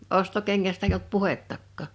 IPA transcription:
ostokeŋːæstæ eij olt puhetːɑkːɑˑ

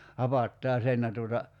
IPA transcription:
hɑpɑtːɑː sen jɑ tuotɑ

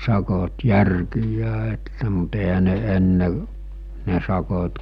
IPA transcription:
sɑkot jærkijˑæː etːæ mut ehæ ne enːe ne sɑkot

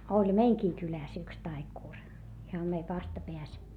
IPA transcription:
olʲ meiŋkiː kylæˑs yks tɑikuˑr ihɑm meiʋ ʋɑstɑpeæs

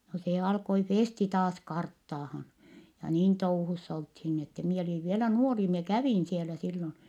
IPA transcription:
no se ɑlkoi feˑsti tɑːs kɑrtːɑːhɑn jɑ niːn touhusː olthin ni etːɛ mie oliʋ ʋielæ nuori mie kæʋiˑn sielæ silːon

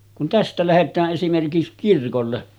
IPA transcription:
kun tæstæ læhetˑæːʔ ʔesimerkis kirkolːe

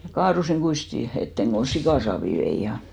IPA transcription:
jɑ kɑːrusiŋ ɡ̊uisti etːeŋ kon̞ sikɑˑsɑːʋi ʋei jɑ

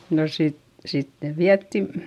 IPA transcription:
no sit sitːeʋ ʋiætːin

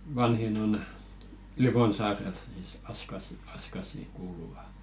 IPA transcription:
ʋɑnhin on liʋonsɑːrel siˑs ɑskɑsi ɑskɑsiˑ kuːluʋɑ

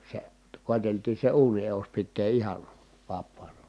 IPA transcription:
se koˑeteltiː se uːni eus pitːeː ihɑn̞ ʋɑpːɑːnɑ

